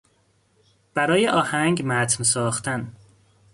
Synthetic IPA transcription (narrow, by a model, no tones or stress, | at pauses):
b̥æɾɒːjeʔɒːhæŋɟmæt̪ʰnsɒːxt̪ʰæn